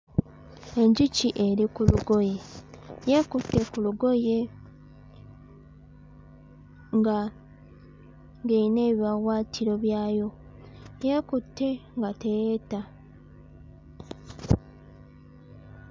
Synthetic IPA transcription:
e̞ɲɟiciʔe̞ɾikuluɡo̞je̞jekutːe̞kuluɡo̞je̞ | ŋɡa | ŋɡeine̞ːβiawaːtʰiɾo̞βjaːjo̞ | jekutːe̞ŋɡateta

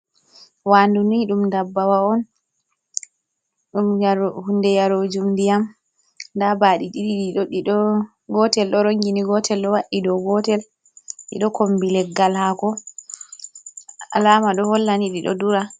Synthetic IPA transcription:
wanduniɗumndabːawaɔn | ɗumhundɛjaɾod͡ʒumdijam | ndabaɗiɗiɗiɗiɗoɗiɗɔ | ɡɔtɛlɗɔɾoŋɡiniɡɔtʰɛlɗɔwaɗːidɔɡɔtɛl | ɗḭɗɔkombilɛɡːalhakɔ | a̰laːmaɗɔhɔlːaniɗiɗɔ̰duɾa

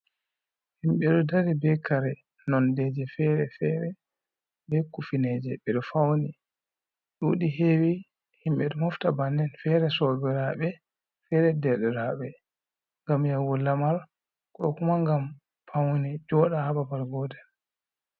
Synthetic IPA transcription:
himɓɛɗɔdaɾibɛkaɾɛ | nɔndɛd͡ʒɛfɛɾɛfɛɾɛ | bɛkufined͡ʒɛɓɛɗɔfawni | ɗuɗiɦewi | himɓɛɗɔmɔftabandɛnfɛɾɛsɔbɛɾaɓɛ | fɛɾɛdɛɗɛɾaɓɛ | ŋɡamjawɔlːamal | kɔkumaŋɡam | fawnid͡ʒɔɗahababaɾɡɔdɛn

